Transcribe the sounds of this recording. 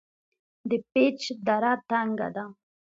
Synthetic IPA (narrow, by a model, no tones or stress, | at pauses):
d̪əpet͡ʃd̪aɾat̪aŋɡa̰d̪a